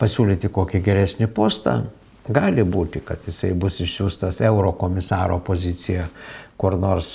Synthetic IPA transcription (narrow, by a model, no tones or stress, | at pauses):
pɐsʲuːlʲiːt̪ʲɪkoːkʲɪɡʲɛɾʲæːsʲnʲɪpoːst̪ɐ̰ | ɡɑːlʲɪbuːt̪ʲɪkɐt̪jɪsɐɪbʊsɪʃʲsʲuːst̪ɐsɛʊɾoːkoːmʲɪsɑːɾo̰ːpoːzʲɪt͡s̪ʲɪjɛkʊrnoːrs